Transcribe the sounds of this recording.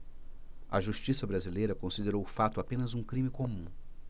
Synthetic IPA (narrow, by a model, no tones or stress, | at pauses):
ɐ̰ʒuʃt͡ʃisɐbɾazilejɾɐkõsid̪eɾowʊfat̪ʊapẽnɐzũkɾĩmɪkomũ